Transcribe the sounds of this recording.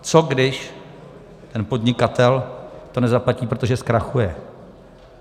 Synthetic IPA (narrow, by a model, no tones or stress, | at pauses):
t͡so̞ɡdɪʃ | t̪ɛnpo̞dɲɪkat̪ɛlt̪o̞nɛzaplaciːpɾo̞t̪oʒɛskɾaxujɛ